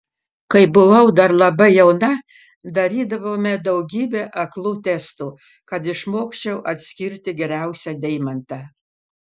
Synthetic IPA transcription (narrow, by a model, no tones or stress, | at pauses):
kɐɪbʊʋɐʊd̪ɐɾlˠɐbɐɪjɛʊnɐ | d̪ɐɾʲiːd̪ɐʋoːmʲɛd̪ɐʊɡʲiːbʲeːʔɐklˠuːt̪ʲɛst̪uː | kɐt̪ɪʃmoːksʲt͡ʃʲɛʊʔɐt̪ʲsʲkʲɪɾʲt̪ʲɪɡʲɛɾʲæˑʊsʲɛd̪ʲɛɪmɐnt̪ɐ